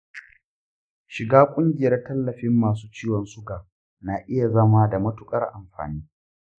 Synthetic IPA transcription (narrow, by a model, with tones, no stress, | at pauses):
ʃɪ˨ɡaː˦kʷʼʊ˦ŋɡʲɪ˨jɐ˦rtɐ˦lːɐ˨ɸɪ˦mːaː˨s̬uː˦t͡ʃiː˦wɔ˨nsʊ˦ɡaː˨ | na˨ʔɪ˦ja˨zɐ˦ma˦da˨mɐ˦tʊ˦kʼɐ̰˦rʔa˨mɸa̰ː˨niː˦